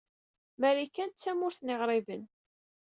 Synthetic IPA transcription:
mæɾikːænt̪t͡sːæmʊɾθnɪʁɾˤɪvən

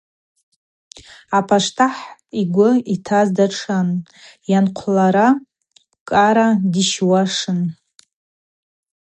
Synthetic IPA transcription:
apʰaʂtʰaħiɡʷʊitʰazdaʈ͡ʂʰan | janqʷʰlaɾa | kʼaɾadiʃwaʂɨn

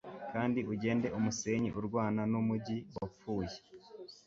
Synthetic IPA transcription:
kaːndiuɟe̞ːnde̞ʔumuse̞ɲḭʔuɾɡwaːnanumuɟiwap͡fuːje

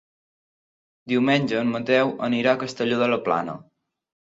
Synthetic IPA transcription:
d̪iwmenʲd͡ʒəːnmət̪ɛwʔəniɾakəst̪əʎoðələpla̰nə̰

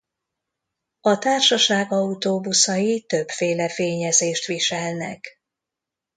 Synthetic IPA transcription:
ɒt̪aːrʃɒʃaːɡɒut̪oːbusɒjit̪ø̞bfeːlɛfeːɲɛzeːʃt̪ʋiʃɛlnɛ̰k

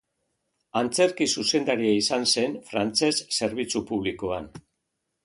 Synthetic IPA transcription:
ant͡se̞ɾkisuse̞nd̪aɾiaisanse̞nfɾant͡se̞sːe̞ɾβit͡supuβ̞likoan

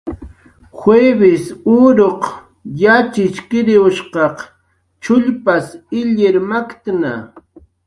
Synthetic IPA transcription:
xweːbɪsʊɾoq | jat͡ʃɪt͡ʃkɪɾɪʊʃqɑq | t͡ʃʊʎpasɪʎɪɾmakt̪na̰

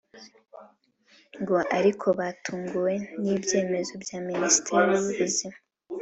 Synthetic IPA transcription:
ŋɡo̞ʔaɾikʰo̞βaːtʰuːŋɡuwe̞niːbje̞ːme̞zo̞bjaːministʰeɾiwuβuβuzima

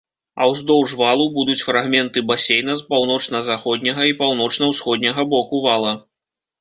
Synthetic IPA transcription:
ɐ̰wzd̪ɔwʐvalˠubud̪ut͡sʲfɾaɣmʲɛnt̪ɨbasʲejn̪ɐspawnɔt͡ʂnɐzaxɔd̪̚ʲnʲɐɣɐipawnɔt͡ʂnɐwsxɔd̪ʲnʲɐɣɐbɔkuvalˠɐ

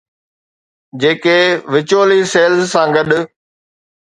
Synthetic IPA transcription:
d͡ʑeːkeʋɪt͡ɕoːliseːlzsãɡɐɗʊ

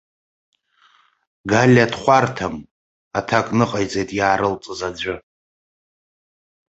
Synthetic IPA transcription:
ɡalʲadχʷartʰam | atʰakʷʼnɨqʼajt͡sʼejtʼjaːɾɨlt͡sʼɨzad͡ʑʷʊ

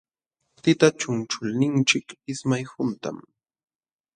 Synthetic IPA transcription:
t̪ɪt̪at͡ʃʊnt͡ʃʊlnɪnt͡ʃɪkɪsmajhʊnt̪a̰m

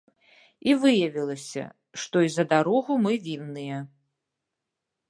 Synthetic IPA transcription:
ivɨjɐvʲilˠɐsʲɐ̰ | ʂt̪ɔizɐd̪aɾɔɣumɨvʲinːɨjɐ

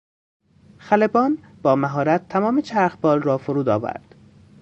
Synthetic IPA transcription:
xælebɒːn | b̥ɒːmæɦɒːɾæt̪ʰːæmɒːmet͡ʃʰæɾxbɒːlrɒːfoɾuːd̪ɒ̰ːvæ̰ɾd̪̥

